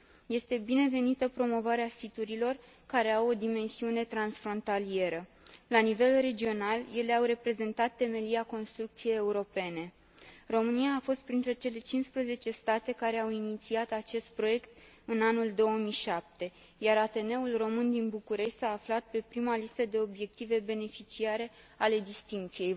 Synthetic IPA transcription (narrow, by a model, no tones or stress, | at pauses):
je̞st̪e̞bine̞ve̞nit̪əpɾo̞mo̞vaɾeasit̪uɾilo̞r | kaɾe̞awo̞d̪ime̞nsiune̞t̪ɾansfɾo̞nt̪alie̞ɾə | lanive̞lre̞d͡ʒio̞nalje̞le̞awre̞pɾe̞ze̞nt̪at̪ːe̞me̞liako̞nst̪ɾuk̚t̪sije̞je̞uɾo̞pe̞ne̞ | ro̞mɨniaːfo̞st̪̚pɾint̪ɾe̞t͡ʃe̞le̞t͡ʃinspɾəze̞t͡ʃe̞st̪at̪e̞kaɾe̞awinit̪siat̪at͡ʃe̞st̪̚pɾo̞je̞kt̪ | ɨnanuld̪o̞wəmijʃap̚t̪e̞ | jaɾat̪e̞ne̞ulro̞mɨnd̪inbukuɾe̞ʃʲt̪ʲsaːflat̪̚pe̞pɾimalist̪əd̪e̞o̞bje̞k̚t̪ive̞be̞ne̞fit͡ʃiaɾe̞ | ale̞d̪ist̪iŋkt̪sije̞j